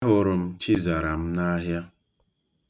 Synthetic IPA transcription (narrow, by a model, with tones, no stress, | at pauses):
ɦʊ˦ɾʊ˨m̩˦t͡ʃi˦za˨ɾa˨m̩˦na˦ɦja˦